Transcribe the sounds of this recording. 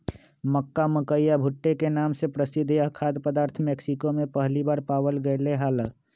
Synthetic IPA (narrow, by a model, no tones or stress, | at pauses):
məkːaməkəjjabʱuʈːekenamsepɾəsid̪ʱːjakʰad̪pəd̪aːɾt̪ʰmeksikomepəɦlibaːɾpawəlɡəɪleɦaːlə